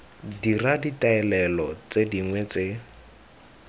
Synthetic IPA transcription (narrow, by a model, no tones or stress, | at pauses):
diraditaɛlɛlɔt͡sediŋwɛt͡se